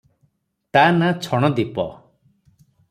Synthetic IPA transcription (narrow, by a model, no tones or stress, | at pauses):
t̪anat͡ʃʰɔɽ̃ɔd̪ipɔ̰